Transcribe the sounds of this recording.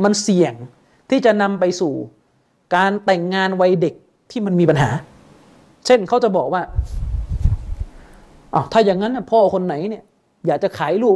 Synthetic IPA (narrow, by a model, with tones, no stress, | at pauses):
ma˧nsi˨˩əŋ | t̪ʰiː˥˩t͡ɕa˨˩ʔna˧mpa˧jsuː˨˩ | kaː˧nt̪ɛ˨˩ŋːaː˧nwa˧jde˨˩k̚ | t̪ʰiː˥˩ma˧nmiː˧pa˧nɦaː˩˦ | t͡ɕʰe˥˩nkʰa˦˥wt͡ɕa˨˩bɔː˨˩k̚waː˥˩ | ʔa˧˩wt̪ʰaː˥˩jaː˨˩ŋːa˦˥nːa˧˥˩pʰɔː˧˥˩kʰo˧nːa˨˩˦jni˥˩ɐ | jaː˨˩k̚t͡ɕa˨˩kʰaː˩˦jluː˥˩